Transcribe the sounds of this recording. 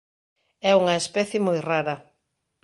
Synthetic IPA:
ɛuŋɐespɛθjɪmojraɾɐ

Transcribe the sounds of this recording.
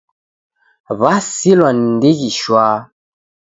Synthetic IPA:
βasilwann̩deɣiʃwa

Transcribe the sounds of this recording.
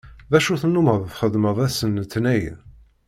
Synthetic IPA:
ðæʃuθənːuməðˤθχəðməðˤæsənt̪ːnæj

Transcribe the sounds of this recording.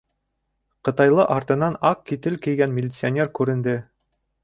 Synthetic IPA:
qɤ̆t̪ɑjlˠɤʔɑɾt̪ɤ̆nɑnɑkːit̪ɘlkɘ̆jɡænmʲɪlʲɪt̪sɨonʲerkʉɾɘ̆nd̪ɘ

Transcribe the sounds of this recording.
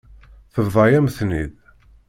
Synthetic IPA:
θəvðˤɑjæməθnḭð

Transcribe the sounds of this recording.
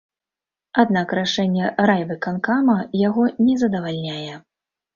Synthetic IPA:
ad̪nakɾaʂɛnʲːɛɾajbɨkankamɐjaɣɔnʲɛzɐd̪ɐvalʲnʲajɛ

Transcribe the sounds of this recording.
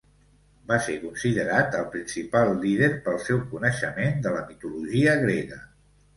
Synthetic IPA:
basekunsiðəɾat̪əlˠpɾinsipalˠːið̞eɾpəlˠsɛwkunəʃəmend̪ələmit̪uluʒiəɣɾeɣə

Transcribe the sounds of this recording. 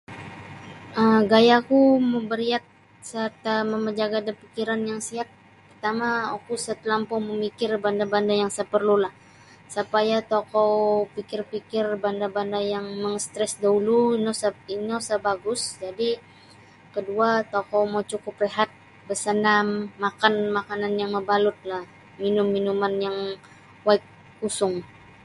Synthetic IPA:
əmɡajakuməbəɾiat̪̚ | sərt̪aməməd͡ʒaɡadapikiɾanjaŋsiat̪̚ | pərt̪amaokusət̪əlampɔməmikɪrbandabandajaŋsəpərlulah | səpajat̪okɔpikɪrpikɪrbandabandajaŋməŋəst̪ɾɛsdauluinosinosəbaɡʊsd͡ʒadi | kəduat̪okowmot͡ʃukʊpleɦat̪̚ | bəsənamːakanmakananjaŋməbalʊt̪̚lah | minʊmːinumanjaŋ | waɪk̚ː | usʊŋ

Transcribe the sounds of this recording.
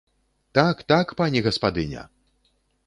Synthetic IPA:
t̪akt̪akpanʲɛɣɐspad̪ɨnʲɐ̰

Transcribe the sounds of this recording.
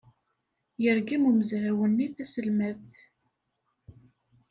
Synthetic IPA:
jəɾɡimumzɾæwənːiθæsəlmæð

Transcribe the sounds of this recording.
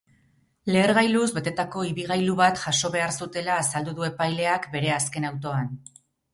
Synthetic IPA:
le̞ːɾɣajluzbe̞t̪e̞t̪ako̞iβiɣ̞ajluβat̪ʝaso̞βe̞aɾsut̪e̞laːsald̪uðue̞pajle̞akbe̞ɾe̞aske̞nawt̪o̞an

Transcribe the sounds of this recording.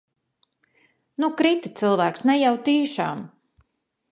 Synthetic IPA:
nukɾit̪it̪silˠvæːksnɛjawt̪iːʃaːm

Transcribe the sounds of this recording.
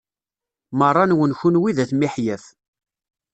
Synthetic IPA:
mərˤːɑnwənçunwiðæθmiħjæf

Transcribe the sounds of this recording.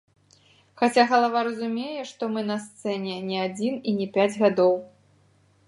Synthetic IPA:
xat͡sʲaɣɐlˠavaɾɐzumʲejɛʂt̪ɔmɨnɐst̪sɛnʲɛnʲɛad͡zʲininʲɛpʲad͡zʲɣad̪ɔw

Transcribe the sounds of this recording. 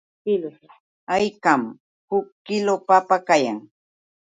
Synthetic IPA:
kɪl | ajkam | hʊkːɪlopapakajaŋ

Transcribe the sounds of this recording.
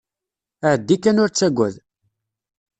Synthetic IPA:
əʕəd̪ːikːænʊɾt͡sːæɡʷːæ̰ð

